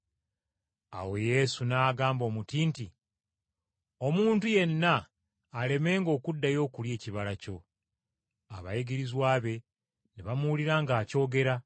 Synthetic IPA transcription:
a̰we̞je̞sunaːɡaːmbo̞ːmutiːnti | o̞muːntuje̞nːaː | le̞me̞ːŋɡo̞ːkudːajo̞ːkulje̞ːciβalaco̞ | a̰βa̰jeɡiɾizwaːβe̞ | neβamuwuliɾaːŋɡaːco̞ːɡe̞ɾa

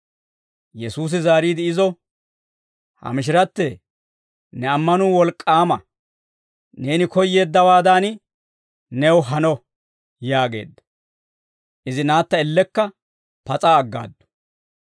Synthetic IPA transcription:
jɛsuːs̬ɪzaːɾiːd̪ɪːzɔ | hɐ̰mɪʃ̬ɪɾɐt̪ːɛ | nɛɐmːɐnʊwɔlkʼːaːmɐ | ne̞ːnɪkɔjːe̞ːd̪ːɐwaːd̪an | nɛwɦɐnɔ | jaːɡe̞̰ːd̪ːɐ̥ | ʔɪzɪnaːt̪ːɐɪlːɛkːɐ | pɐt͡sʼaːɡːa̰ːd̪ːʊ̥

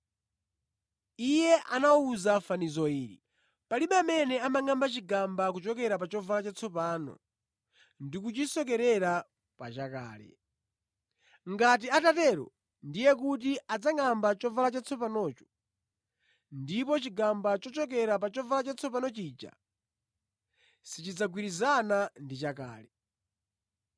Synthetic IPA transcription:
ijɛʔanauzafanizɔiːɾḭ | paliɓamɛnɛamaŋambat͡ʃiɡambak̬ut͡ʃɔkɛɾap̬at͡ʃɔvalat͡ʃat͡sʰɔpaːnɔ̰ | ndikut͡ʃisɔkɛɾɛɾa | pat͡ʃaka̰ːlɛ̰ | ŋɡat̬iatatɛɾɔ̰ | ndijɛkutiad͡zaŋambat͡ʃɔvalat͡ʃat͡sʰɔp̬anɔːt͡ʃɔ̥ | ndipɔt͡ʃiɡambat͡ʃɔt͡ʃɔk̬ɛɾap̬at͡ʃɔvalat͡ʃat͡sʰɔpanɔt͡ʃiːd͡ʒa̰ | sit͡ʃid͡zaɡwiɾizanandit͡ʃaka̰ːlɛ

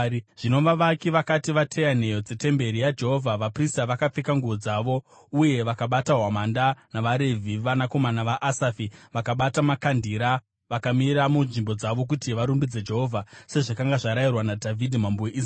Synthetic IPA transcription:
ʐ̥ino̞ʋaʋakiʋakatiʋatʰe̞jan̤e̞jo̞d͡ze̞te̞mbe̞ɾijad͡ʒe̞ɦo̞vʱaʋapristaʋakap͡fekaŋɡuʋod͡zaʋo̞ | uje̞ʋakaɓataɦwamandanaʋaɾe̞vʱiʋanako̞manaʋaʔasafiʋakaɓatamakandiɾa | ʋakamiɾamunʐimbo̞d͡zaʋo̞k̬utiʋaɾumbid͡ze̞d͡ʒe̞ɦo̞vʱase̞ʐakaŋɡaʐaɾajirwanadʱavʱidʱimambuweʔis

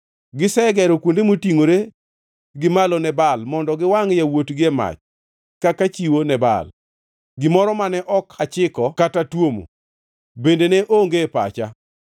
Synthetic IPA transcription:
ɡɪsɛɡɛɾokwondemotiŋoɾe | ɡɪmalɔnɛbalmɔndɔɡɪwaŋjawotɡɪɛma̰t͡ʃ | kakat͡ʃiwonɛba̰l | ɡɪmɔɾɔmanɛʔɔkʰat͡ʃɪkɔkatatwomo̰ | bendeneʔoŋɡepa̰t͡ʃa

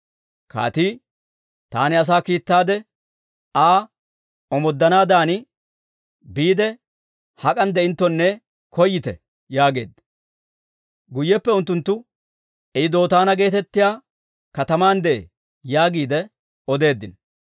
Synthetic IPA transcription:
ka̰ːt̪iː | t̪a̰ːnɪɐs̬aːkiːt̪ːaːd̪ɛ | aː | ɔmɔd̪ːɐnaːd̪aːnɪ | biːd̪ɛ | hɐkʼɐnd̪ɛɪnt̪ːɔnːɛ | kʰɔjːɪt̪ɛ | jaːɡe̞̰ːd̪ | ɡʊjːɛpːɛʊnt̪ːʊnt̪ːʊ | ɛɪd̪o̞ːt̪aːnɐɡe̞ːt̪ɛt̪ːɪjaː | kɐt̪ɐmaːnd̪ɛḛ | jaːɡiːd̪ɛ | ɔd̪e̞ːd̪ːɪn

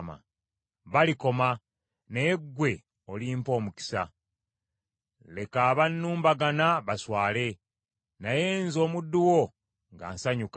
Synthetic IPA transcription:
ma̰ | βaliko̞ma | neɡːwe̞ | o̞liːmpo̞ːmuki̥sa̰ | le̞kaːβanːuːmbaɡanaβaswaːle̞ | naje̞ːnzo̞ːmudːuwo̞ | ŋɡa̰ːnsaɲuk

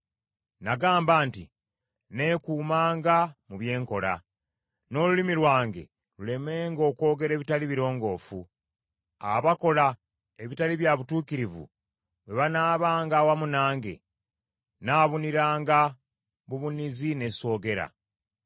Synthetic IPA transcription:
naɡaːmbaːnti | ne̞kuːmaːŋɡamuβje̞ːŋko̞la̰ | no̞ːlulimiɾwaːŋɡe̞̰ | lule̞me̞ːŋɡo̞ːko̞ːɡe̞ɾe̞ːβitaliβiɾo̞ːŋɡo̞ːfu | a̰βako̞la | eβitaliβjaβutuːkiɾivṵ | we̞βanaːβaːŋɡaːwamunaːŋɡe̞̰ | naːβuniɾaːŋɡa | βuβunizine̞so̞ːɡe̞ɾa̰

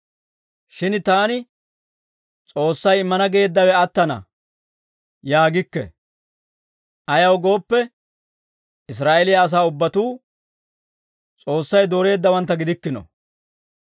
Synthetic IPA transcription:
ʃɪnt̪aːnɪ | t͡sʼo̞ːsːɐjɪmːɐnɐɡe̞ːd̪ːɐwɛɐt̪ːɐnɐ̰ | jaːɡɪkːɛ̰ | ʔɐjɐwɡo̞ːpːɛ | ɪs̬ɾaːʔelɪjaːs̬aːʊbːɐt̪uː | t͡sʼo̞ːsːɐjd̪oːɾe̞ːd̪ːɐwɐnt̪ːɐɡɪd̪ɪkːɪnɔ̰

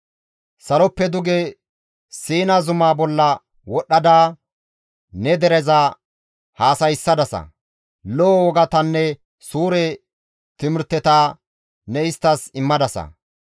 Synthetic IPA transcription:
sɐlɔpːɛd̪ʊɡɛ | siːnazʊmaːbɔlːɐ | wɔɗːɐd̪aː | nɛd̪ɛɾɛzaː | haːsɐjɪsːɐd̪ɐsɐ̰ | lɔwɔɡɐt̪ɐnːɛ | suːɾɛ | t̪ɪmɪɾt̪ːɛt̪aː | nɛɪst̪ːɐsɪmːɐd̪ɐsɐ̰

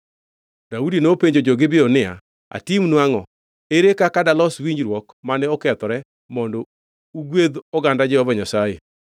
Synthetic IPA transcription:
d̥audinopeɲd͡ʒod͡ʒɔɡɪbɪɔnɪa̰ | a̰timnwaŋɔ | eɾekakadalɔswiɲd͡ʒɾwɔkmanɛɔkɛt̪ɔɾɛ | mɔndɔ | uɡwed̪ɔɡandad͡ʒɛɔbɔɲasajḛ

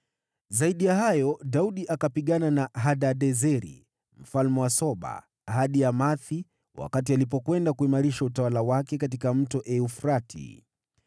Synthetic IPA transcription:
zaiɗijahajɔɗauɗiʔakapiɠananaɦaɗaɗɛzɛɾḭ | m̩falmɛwasɔɓa̰ | haɗiamaθi | wa̰katialip̬ɔkwɛndakuimaɾiʃautawalawakɛkatikam̩tɔʔɛufɾatʰḭ

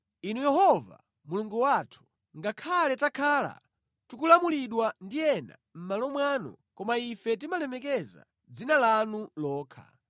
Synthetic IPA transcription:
inujɛɦɔva̰ | muluŋɡuwatʰu̥ | ŋɡakʰalɛtakʰaːla̰ | tukulamuliɗwandijɛna̰m̩malɔmwanɔ̰kɔmaifɛt̬imalɛmɛkɛza̰ | d͡zinalanulɔːkʰa̰

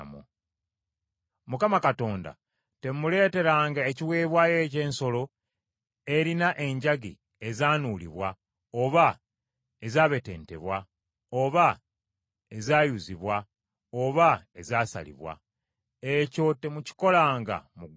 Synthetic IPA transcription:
mṵ | mukamakato̞ːnda̰ | te̞mule̞ːte̞ɾaːŋɡaeciwe̞ːβwaːje̞ːce̞ːnso̞lo̞ | e̞ɾinaʔe̞ɲɟaɡi | e̞zaːnuːlḭβwa | oβa | ezaːβe̞te̞̰ːnte̞̰βwa | oβa | ezaːjuziβwa | oβaezaːsa̰lḭβwa̰ | e̞co̞te̞muci̥ko̞laːŋɡa̰muɡ

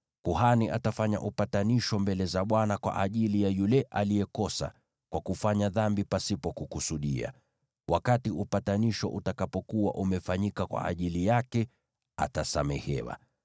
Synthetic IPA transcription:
kuhaniʔa̰tafaɲa̰ʔupataniʃɔmbɛlɛzaɓwanakwa̰ʔaʄilijajulɛʔalijɛkɔsa̰ | kwakufaɲaðambipasipɔkukusuɗia̰ | wʔakatiupataniʃɔ̰ʔutakapɔkuwa̰ʔumɛfaɲikakwa̰ʔːʄilijakɛ | a̰tasamɛ̰hɛ̰wa̰

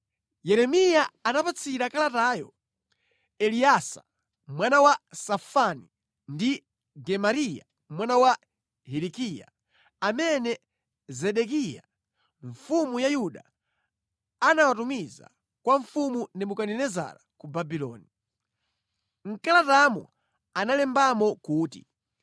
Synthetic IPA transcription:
jɛɾɛmijaanapat͡sʰiɾakalatajɔ | ɛliasa̰ | mwanawasafani | ndi | ɡɛmaɾija̰ | mwanawa | hɛɾikija̰ | amɛnɛ | zɛɗɛkija̰ | ɱfumujajuɗa | anawatumiza̰ | kwaɱfumundimukaninɛza̰ɾakubabilɔ̰ːni | ŋ̩kalatamɔ̰ | analɛmbamɔkuːtḭ

